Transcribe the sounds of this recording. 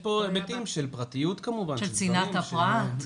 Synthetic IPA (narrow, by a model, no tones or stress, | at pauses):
pobetimʃelpʁat̪ijut̪kamuvanʃelt͡sinat̪hafʁat̪